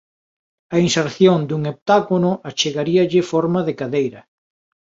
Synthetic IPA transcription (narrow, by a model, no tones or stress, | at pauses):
ɐinseɾθjond̪uŋop̚t̪akonʊʔat͡ʃeɣaɾiɐʎɪfɔɾmɐðɪkaðejɾɐ